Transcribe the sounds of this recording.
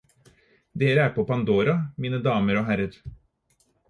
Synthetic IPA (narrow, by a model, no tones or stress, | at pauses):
d̪eːɾəæːɾpʰoːpɑnd̪oːɾɑmiːnəd̪ɑːməɾoːɦæɾəɾ